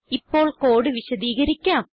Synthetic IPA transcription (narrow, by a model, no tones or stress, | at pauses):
ipːo̞ːɭkoːɽɨʋiɕɐd̪iːɣɐɾikʲːaːm